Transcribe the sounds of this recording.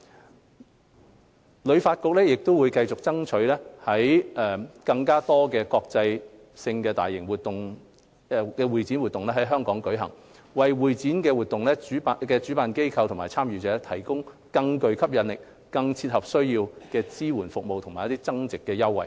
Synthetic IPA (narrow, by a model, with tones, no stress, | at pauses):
lɵ˨˧ɥfaː˧t̚kʊ˧k̚lɛː˥jɪ˨k̚t̪o˥wuː˨˧jkɐ˧jt͡sʊ˨k̚t͡sɐ˥ŋt͡ʃʰɵ˨˥ɥlɛː˥hɐ˨˥jɛ˨kɐ˧ŋkaː˥t̪ɔː˥kɛː˧kɔː˧k̚t͡sɐ˧j | sɪ˧ŋkɛː˧t̪a̰ː˨jːɪ˨˩ŋwuː˨˩t̚t̪ʊ˨ŋ˧ | kɛː˧wuː˨jt͡si˨˥nwuː˨t̪ːʊ˨ŋlɛ˥ɦɐ˨˥jɦœː˥ŋkɔː˨˥ŋkɵ˨˥ɥɦɐ˨˩ŋ | wɐ˨jwuː˨jt͡siː˨˥nkɛː˧wuː˨t̪ːʊ˨ŋlɛː˥t͡syː˨˥pːkɛː˧t͡ʃyː˨˥paː˨˧nke˥jkʰɐ˧wt̪ʰmaː˨˩t͡sʰaː˥mjyː˨t͡sɛː˨˧˥t̪ʰɐ˨˩jkʊ˥ŋkɐ˧ŋkɵ˨˧ɥkʰɐ˥p̚jɐ˨˧nlɪ˨k̚ | kɐ˧ŋt͡sʰiː˧t̚hɐ˨p̚sɵ˥ɥjiː˧wkɛː˧t͡siː˥wuː˨˩nfʊ˨k̚mo˨wt̪ʰmaː˨jt̪iː˥t͡sɐ˥ŋt͡sɪ˨kːɛː˧jɐ˥wːɐ̰˨˩j